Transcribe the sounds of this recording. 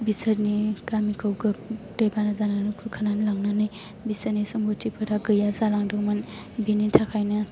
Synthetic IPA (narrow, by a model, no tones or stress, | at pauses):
bisɐɾnikamikʰawɡɯp̚dɔjbanɐzananukʰukʰananlaŋnanɯj | bisanisɔŋbutʰipʰɯɾaɡɯjazalaŋdɯkman | binitʰakʰajnɐ